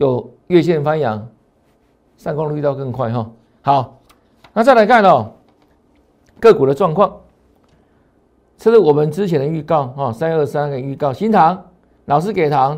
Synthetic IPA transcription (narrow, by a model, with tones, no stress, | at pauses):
jo˨˩ʊ | ɥɛ˥˧ɕjɛ˥˧nfa˦njɑ˨˧˥ŋ | sa˥˧nkɔ˥ŋly˥˧t̪ɑ˥˧ʊkə˥˧ŋkʰwa˥˩ɪɦɔ˥˩ | hɑ˨˩˦ʊ | na˥˧˩t͡sa˥˩ɪla˧˦ɪkʰa˥˩nɔ˨˩ | kɤ˥˩ku˨˩də˦ʈ͡ʂwɑ˥˧ŋkʰwɑ˥˩ŋ | ʈ͡ʂɤ˥˧ʂ̩˥˩wɔ˨˩mə˦nʈ͡ʂɻ̩˥˦t͡ɕʰjɛ˨˥nd̪ə˧y˥˧kɑ˥˧ʊhɔ˥˨˩sa˥nə˥˩sa˥na˥ɡə˨˩y˥˧kɑ˥˩ʊɕi˧˦nt̪ʰɑ˧˥ŋ | nɑ˨˩ʊʂ̬ɻ̩˥˩ke˨˩ɪt̪ʰɑ˧˥ŋ